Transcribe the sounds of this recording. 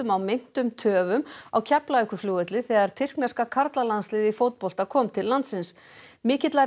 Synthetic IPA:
ʏmawmɪn̥t̪ʏmt̪ʰœːvʏmawcʰɛplaʏhkʏfljoːwɛt̪lɪθɛːɣaɾ̥t̪ʰɪr̥knɛskakʰaɾt̪lalanslɪːðifowt̪̚pɔl̥t̪akʰɔːmt̪ʰɪlːant̪sɪns | mɪːcɪt̪la

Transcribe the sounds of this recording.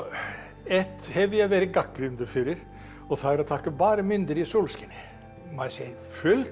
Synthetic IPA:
ɛt̪hɛʋɪæʋeɾəɡɑkːɾʉnd̪əfyːɾəɾ | ɔsɔhːɾɔt̪ʰɑkːəbɑːɾəmʏnd̪əɾɪsuːlskənə | mɑɾse | fʉl

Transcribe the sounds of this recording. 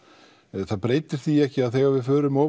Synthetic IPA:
θaðpɾeːjt̪ɪɾ̥θiɛhcɪaðθɛːɣaɾvɪðfœːɾʏmɔː

